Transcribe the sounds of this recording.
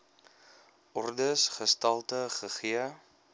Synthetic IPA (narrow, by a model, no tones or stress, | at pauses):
ʔɔrdəsχəstɐlˠtəχəχiə